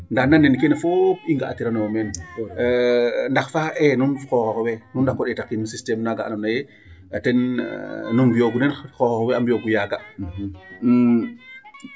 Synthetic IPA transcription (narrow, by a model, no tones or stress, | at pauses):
ndaxnanːenkenefopiŋɡaatiɾanomɛn | ndaxfaːʔɛnunxoxokwɛnundakːɔɗɛtakːinusistɛmnaɡaʔa̰namnaje | tɛn̰ | numbijoɡunɛnxoxɔkwɛambijoɡujaɡa